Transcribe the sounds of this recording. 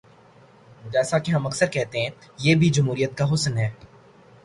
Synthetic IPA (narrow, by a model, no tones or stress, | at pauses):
d͡ʒɛːsakeɦɐmɐksəɾkɛɦt̪eɦɛ̃ːjeːbʱid͡ʒɐmɦuːɾijət̪kaɦʊsnɦɛː